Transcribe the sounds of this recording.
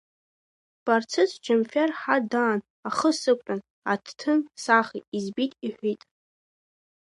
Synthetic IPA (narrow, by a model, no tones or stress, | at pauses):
b̥art͡sʰɨt͡sʰʼd͡ʒʰamfʲarħadaːn | aχəsɨkʷʼan | atʰtʰɨnsaχiizbitʼiħʷitʼ